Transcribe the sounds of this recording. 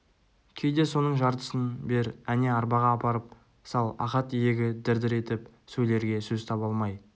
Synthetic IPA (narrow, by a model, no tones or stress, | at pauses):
kʲʰe̞jd̪e̞so̞nəɴʒɑɾt̪ə̥sənbe̞ɾæne̞ɑɾbɑʁɑːpɑɾəp̚ | sɑlˠɑ̰qɑt̪ijeɡʲɪd̪ɪɾd̪ɪɾe̞t̪ɪpsɵle̞ɾɡʲe̞sɵzt̪ʰɑbɑlˠmɑj